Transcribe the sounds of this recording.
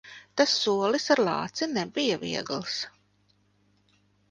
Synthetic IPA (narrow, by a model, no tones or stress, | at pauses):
t̪asːuɔlˠisaɾlˠɑ̰ːt̪sinɛbijavḭɛɡlˠs